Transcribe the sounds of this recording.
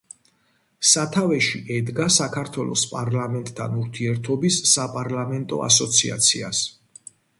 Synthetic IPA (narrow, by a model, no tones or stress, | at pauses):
sat̪ʰavɛʃiʔɛd̪ɡasakʰaɾt̪ʰwɛlˠɔ̰spʼaɾlamɛnt̪ʼt̪ʰːanuɾt̪ʰiɛɾt̪ʰɔbisːapʼaɾlamɛnt̪ʼɔ̰a̰sɔt̪sʰḭa̰t̪sʰia̰s